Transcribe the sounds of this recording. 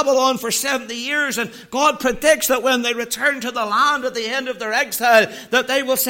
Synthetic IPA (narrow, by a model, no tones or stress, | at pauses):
bəl̩ˠɑ̃nfə˞sɛvn̩tijɪɹzɨ̃n | ɡ̥ɑd̚pʰɹ̥ɨdɪk̚tsðəʔ̚wə̃nðeɪɹɨtʰɜ̃˞ntɨðəlæ̃ndət̪̚ðiɛ̃ndʌvðə˞ɛɡz̥aɪlˠðət̪̚ðeɪwɪlˠs